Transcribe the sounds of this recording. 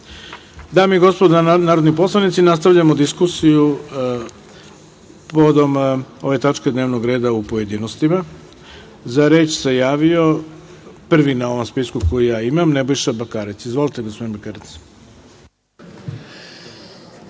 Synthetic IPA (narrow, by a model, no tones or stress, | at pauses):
d̪aːmiɡo̞spod̪naːɾod̪nipo̞slˠanit̪sinast̪aʋʎamo̞d̪iskusiju | pood̪o̞mo̞ʋe̞t̪at͡ʂke̞d̪ne̞ːʋno̞ɡɾe̞ːd̪aupo̞je̞d̪iːnost̪ima | zaɾe̞ːt͡ʃsejaːʋio̞ | pr̩ʋinao̞ʋo̞mspiskuko̞jijaːimamnebojʃabakaːɾit̪sizʋo̞lit̪e̞ɡospo̞d̪inbakaɾit̪s